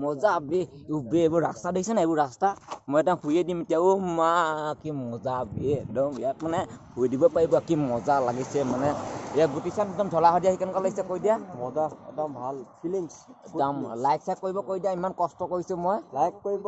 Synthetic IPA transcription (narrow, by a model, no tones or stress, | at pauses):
mɔzabiubeebuɹastadeisɛnaebʊɹɹastamɔjɛdamhʰujedimetijaʊmakimɔzabidɔmijat̚manɛhʰujdibɔpaɹibɔakimɔzalaɡisɛmanɛjaɡutisanɛdɔmdʱɔlaɦɔdijahikankalasɛkojdijamɔzaɛdɔmbʱalpʰiliŋsdamlajksajk̚kːoɹibɔkoɹjdijaimankɔstɔkoɹisʊ̃mɔjlajkkoi